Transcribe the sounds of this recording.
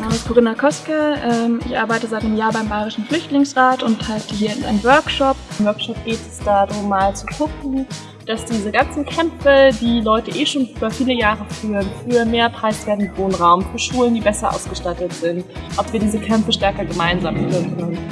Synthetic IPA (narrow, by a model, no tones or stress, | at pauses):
naːmənskʰoʁɪnakʰɔskəʔɛːmɪçʔaɐbaɪtəzaɪtnəmjaːɐbaɪmbaɪʁɪʃn̩flʏçtlɪŋsʁaːtʊnthaɪltəɦiːɐɪnʔa̰ɪnəmvœɐkʃɔpmvœɐkʃɔp̚ɡ̥eːtɛsd̥aːdʁʊmːaːlt͡suɡʰʊkŋ̩ | d̥asd̥iːzəɡant͡sn̩kʰɛmfədiːlɔʏtəʔeːʃoːnyːbɐfiːləjaːʁəfyːʁənfyːɐmeːɐpʁ̥aɪsv̥eːɐtntv̥oːnʁaʊmfyːɐʃuːləndiːbɛsɐʔa̰ʊsɡ̥əʃtatətz̥ɪnt | ʔɔpv̥iːɐdiːzəkʰɛmfəʃtɛɐkɐɡəmaɪnzaːmfyːənkʰœnən